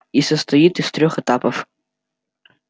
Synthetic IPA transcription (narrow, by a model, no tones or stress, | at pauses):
isəst̪ɐit̪ɨst̪ɾʲoxɛt̪apəf